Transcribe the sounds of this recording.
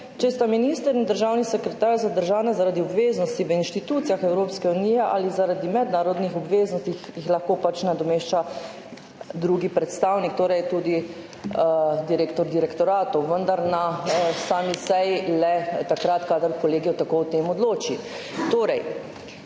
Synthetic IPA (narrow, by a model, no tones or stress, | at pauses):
t͡ʃɛst̪aminiːst̪əɾind̪əɾʒawnisəkɾɛt̪aːɾzad̪əɾʒaːnazaɾaːd̪iɔbʋeːznɔst̪iʋəinʃt̪it̪uːt̪sijaxɛwɾoːpskɛuniːjɛʔa̰lizaɾad̪imɛd̪naːɾɔd̪nixɔbʋeːznɔst̪ixjixlaxkoːpat͡ʃnad̪ɔmeːʃt͡ʃa | d̪ɾuːɡipɾɛt̪st̪awnik̚t̪oːɾɛjt̪uːd̪i | d̪iɾeːkt̪ɔɾd̪iɾɛkt̪ɔɾaːt̪ɔwʋənd̪aɾnasaːmisɛjilɛt̪akɾat̪kaːd̪əɾkɔleːɡijɔt̪akot̪eːmɔd̪loːt͡ʃi | t̪oːɾɛj